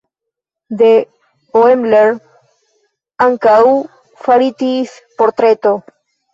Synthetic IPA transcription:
d̪e | oemleɾ | aŋkau | faɾit̪is | poɾt̪ɾet̪o

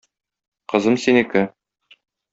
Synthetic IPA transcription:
qɤ̆zɤmsinikɘ

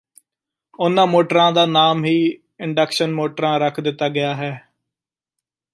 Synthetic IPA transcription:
ʊnãːmoːʈɾãːd̪aːnaːmɦiː | ɪɳɖəkʃənmoːʈɾãːɾəkʰd̪ɪt̪ːaːɡɪjaːɦɛː

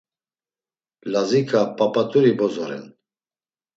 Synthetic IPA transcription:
lazikʰapʰʼapʼat̪ʼuɾibɔzɔɾɛ̰n

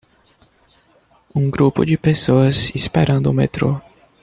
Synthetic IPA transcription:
ũɡɾupʊ̰d͡ʒɪpesoɐzispeɾʔɐ̃nd̪ʊumḛt̪ɾo

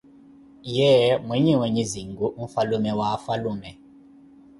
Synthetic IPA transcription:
jɛmwiɲiwɛɲiziŋɡuʔɱ̩falumɛwafalumɛ

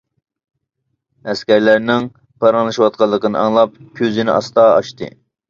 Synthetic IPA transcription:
ɛskʲæɾlæɾnɪŋ | pʰɑɾɑŋlˠɨʃwɑt̪̚qʰɑlˠːəqənɨ̰ʔɑŋlˠɑp̚kʲʰøzɪnɪʔɑ̰st̪ɑɑʃt̪ɨ̰

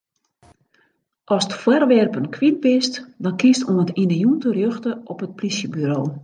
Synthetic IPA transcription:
ʔɔstfwarʋɛrpənkʰʋid̚bɪstdɔnkistunətinəjuntərjøxtəʔɔpət̚plisjəbyɾoː

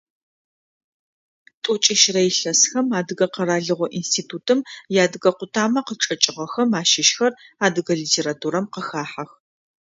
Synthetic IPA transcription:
tʼʊt͡ʃʼɪʃrɐjɪɬɐsxɐmaːdɨɣɐqɐɾaːɮɨʁʷɔʔḭnstʰiːtʰuːtʰɨmjaːdɨɣɐqʷʊtʰaːmɐqəʈ͡ʂʼɐt͡ʃʼɪʁɐxɐmaːʃɪʃxɐraːdɨɣɐɮiːtʰeːɾatʰuːɾɐmqəxaːħɐx

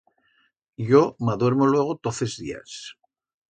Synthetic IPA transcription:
ʎo̞maðwe̞ɾmolwe̞ɣ̞o̞t̪oθe̞zðḭa̰s

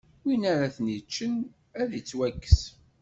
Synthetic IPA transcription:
inaɾaθənit͡ʃːən | æðit͡sːwækːə̥s

